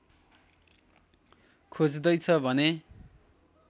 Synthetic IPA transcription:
kʰod͡zd̪ʌjt͡sʰʌbʱʌne

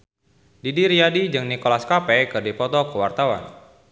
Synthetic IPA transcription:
didiɾiadid͡ʒɨŋnikolaskapɛkɨrdipɔt̪ɔkəwart̪awa̰n

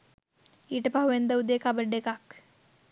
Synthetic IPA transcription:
iʈpauʋend̪əud̪ekabəɖekak

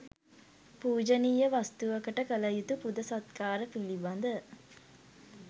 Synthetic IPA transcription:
puːd͡ʒəniːjəʋast̪uʋɐkəʈəkəlɐjut̪upud̪əsɐt̪̚kaːɾəfiliband̪ə

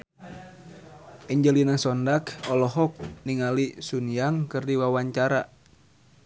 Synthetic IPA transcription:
ʔiɲd͡ʒəlinasɔndakɔlɔɦɔk̚niŋalisunijaŋkɨrdiwawaɲt͡ʃaɾa

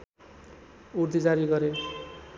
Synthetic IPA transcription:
uɾd̪id͡zaɾiɡʌɾe

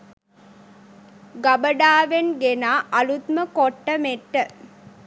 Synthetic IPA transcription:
ɡabəɖaːʋenɡenaːʔɐlut̪məkoʈːəmeʈːə

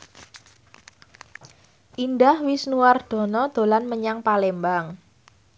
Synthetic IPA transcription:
ʔindahwisnuward̪̥ɔ̤nɔd̪̥o̤lanməɲaŋpalembaŋ

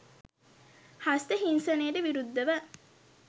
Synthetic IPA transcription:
hast̪əɦinsɐneːɖeʋiɾud̪ːɐʋə

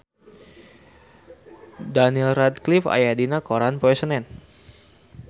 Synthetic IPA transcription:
danilrad̪̚klifa̰jadinakoɾanpoɛsənɛn

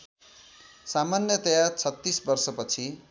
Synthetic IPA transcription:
samanjʌt̪ʌjat͡sʰʌt̪ːisbʌrsʌpʌt͡sʰi

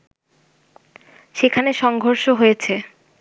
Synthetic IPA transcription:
ʃekʰaneʃɔŋɡʱoɾʃoɦojet͡ɕʰe

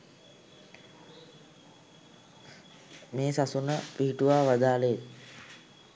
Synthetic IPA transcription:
meːsasunəpiɦiʈuʋaːʋad̪aːle

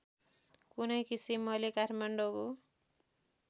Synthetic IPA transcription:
kunʌjkisimːʌlekaɾmaɳɖoɡo

